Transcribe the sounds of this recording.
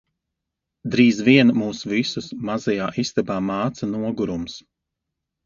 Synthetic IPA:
d̪ɾiːzviɛnmuːsvisusmazɛjaːʔist̪ɛbaːmaːt̪sanuɔɡuɾums

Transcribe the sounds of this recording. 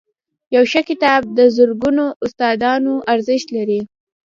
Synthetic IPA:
jawʃakɪt̪ɑb̚d̪əzʊɾɡunoʊst̪ɑd̪ɑnoʔaɾzɪʃt̪laɾi

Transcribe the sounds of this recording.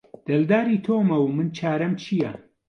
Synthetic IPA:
d̪̥ɐld̪aːɾit̪ʰoːmɐwmɨnt͡ʃʰaːɾɐmt͡ʃʰijɐ

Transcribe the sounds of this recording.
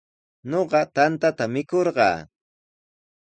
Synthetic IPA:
noɢɑt̪ant̪at̪amɪkoɾɢɑ̰ː

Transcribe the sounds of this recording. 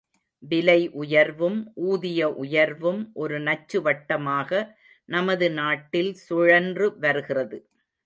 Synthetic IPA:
ʋɪlɐɪʔʊjɐɾʋɯmʔuːðɪjɐʔʊjɐɾʋɯmʔɔɾɯnɐt͡ʃːɯʋɐʈːɐmaːɣɐ | nɐmɐðɯnaːʈːɪlsʊɻɐndrɯʋɐɾɯɣɪrɐðɯ

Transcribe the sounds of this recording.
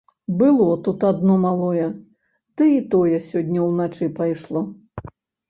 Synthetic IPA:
bɨlˠɔt̪ut̪ad̪nɔmalˠɔjɛ | t̪ɨit̪ɔjɛsʲɔdʲnʲːɐwnat͡ʂɨpajʂlˠɔ

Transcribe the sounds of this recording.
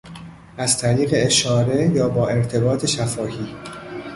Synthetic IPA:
ʔæz̥t̪ʰæɾiːɣe̞eʃɒːɾe̞jɒːbɒːʔe̞ɾt̪ʰe̞bɒːt̪ʰe̞ʃæfɒːhiː

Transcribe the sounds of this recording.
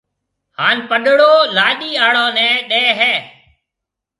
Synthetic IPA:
haːnpəɗɽoːlaːɗiːaːɽõːnɛ̃ːɗɛːɦɛː

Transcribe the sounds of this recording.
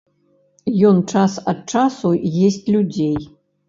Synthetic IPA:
jont͡ʂasɐt̪̚t͡ʂasujesʲtʲlʲud͡zʲej

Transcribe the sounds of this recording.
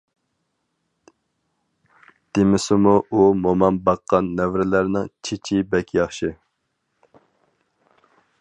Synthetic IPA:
d̪̥emɪsɪmuumomɑnbɑqːɑnːɛvɾɪlæɾnɪŋt͡ʃʰit͡ʃʰibɛkʲjɑχʃɪ

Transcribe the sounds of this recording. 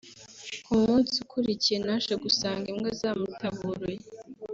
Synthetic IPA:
kumuːnsukʰuɾicijenaʃeɡusaːŋɡemɡazaːmutʰaβuɾuje

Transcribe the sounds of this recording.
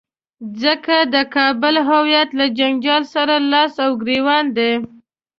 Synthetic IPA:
zəkad̪əkɑbəlɦawjat̪lad͡ʒaŋd͡ʒɑlsaɾalɑsawɡɾewɑnd̪e

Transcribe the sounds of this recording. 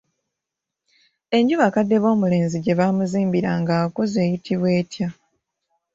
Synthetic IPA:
e̞ɲɟuβakadːe̞βo̞ːmule̞ːnziɟe̞βaːmuziːmbiɾaŋɡaːkoze̞ːjitʰiβwe̞ːtja

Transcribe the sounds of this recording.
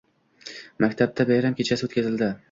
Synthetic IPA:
makʲt̪ʰab̚d̪ʰabajɾamkʲʰet͡ʃʰasɪot̪kʰʲazɪld̪ɪ

